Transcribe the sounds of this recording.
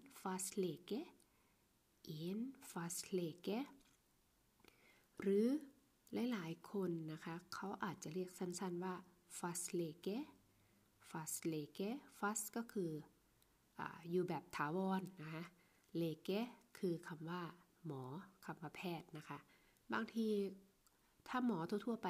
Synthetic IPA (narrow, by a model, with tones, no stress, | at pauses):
fa˧˦˥sleː˧˩ke˦˥ | ʔe˨˦nfa˧˦˥sleː˧˩ke˦˥ | ɾɯː˨˦ | lɛː˧˦jlaː˨˦jkʰo˧nːa˧˥kʰa˧˥kʰa˦˥˩wʔaː˨˩t̪̚t͡ɕa˧˦lɯ˥˩ək̚sa˧˥˨nsa˧˥˨nwaː˧˩ | fa˦˥sleː˧ke˧˥ | fa˧˥sleː˧˩ke˦˥fa˦˥skɔː˥˩kʰɯː˧ | ʔa̰ː˨˩juː˧bɛː˨˩p̚t̪ʰaː˩˦wɔː˧nːa˦˧kʰa˦˥ | leː˧˩ke˦˥kʰɯː˧kʰa˧mwaː˧˥˩ | mɔː˩˦kʰa˧mwaː˧˩pʰɛː˧˩t̪̚na˦˥kʰa˦˥ | baː˧ŋt̪ʰiː˧ | t̪ʰaː˧˩mɔː˩˦t̪ʰu˧˦t̪ʰu˥˩ɐpa˨˧